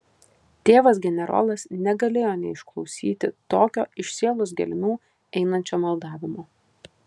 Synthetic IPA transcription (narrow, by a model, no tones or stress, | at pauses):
t̪ʲeːʋɐs̬ɡʲɛnʲɛɾo̰ːlˠɐsnʲɛɡɐlʲeːjoːnʲɛɪʃklˠɒʊsʲiːt̪ʲɪt̪oːkʲoːɪʃʲsʲiɛlˠʊs̬ɡʲɛ̰lʲmʲuː | ɛɪnɐnʲt͡ʃʲoːmɐlˠd̪ɑːʋʲɪmoː